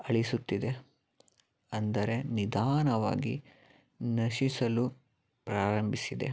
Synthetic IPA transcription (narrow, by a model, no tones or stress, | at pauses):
ɐɭisut̪ːid̪e̞ | ɐnd̪ɐɾe̞nid̪ʱaːnɐʋa̰ːɡi | nɐʃisɐlu | pɾaːɾɐmbʱisid̪e̞̰